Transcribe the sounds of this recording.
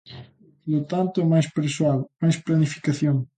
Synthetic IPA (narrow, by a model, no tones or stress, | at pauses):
lot̪ant̪ʊmajspɾeswaðmajsplanifi̥kaθjoŋ